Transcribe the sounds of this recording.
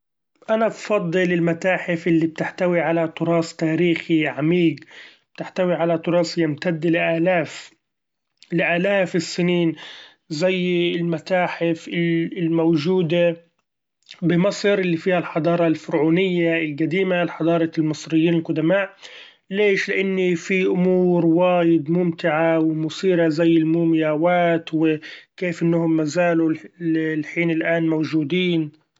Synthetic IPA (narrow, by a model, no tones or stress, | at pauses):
ʔanabfɑd̪ˤːɨlɪlmat̪aːħɪfʔɪlːib̚t̪ɪħt̪awiʕalat̪ʊɾɑːst̪aːɾiːxiʕamiːɡb̥̚t̪ɪħt̪awiʕalat̪ʊɾˤɑːsjɪmt̪ad̪ːlɪʔaːlaːf | lɪʔaːlaːfɪsːɪniːn | zajːɪlmat̪aːħɪfɪɪlmawʒuːd̪a | bɪmɑsˤɾʔɪlːifiːhalħɑd̪ˤɑːɾˤɑlfʊɾʕuːnɪjːaɪlɡad̪iːmalħɑd̪ˤɑːɾˤɑlmɨsˤɾɪjːiːnɪlqʊd̪amaːʔ | leːʃlɪʔanːifiʔʊmuːɾwaːjɪd̪mʊmt̪ɪʕawɪmʊsiːɾazajːɪlmuːmjaːwaːt̪wɪkeːfʔɪnːahʊmːazaːlu | lħiːnɪlʔaːnmawʒuːd̪iːn